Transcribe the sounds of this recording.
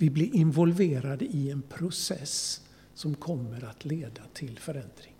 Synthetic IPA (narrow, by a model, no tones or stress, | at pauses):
vɪblɪɾʔɪnvɔlveːɾad̪əɪɛnpʰɾʊsɛ̰s | sɔmkʰɔmːəɾat̪ʰleːd̪at̪ʰɪlfœɾɛnd̪ɾɪŋ